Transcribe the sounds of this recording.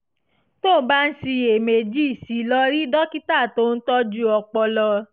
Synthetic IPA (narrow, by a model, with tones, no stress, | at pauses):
to˦˨˦ba˦n̩˦si˧e˨me˨d͡ʒi˦˨si˨˦lɔ˧ɾi˦dɔ˦ki˦ta˦˨to˦n̩˦tɔ˦d͡ʒu˦ɔ˧k͡pɔ˧lɔ˧